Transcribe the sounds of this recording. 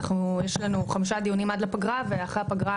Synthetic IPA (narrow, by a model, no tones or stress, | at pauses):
χnujeʃlanuχamiʃad̪ijunimad̪lapaɡʁaveaχʁeapaɡʁa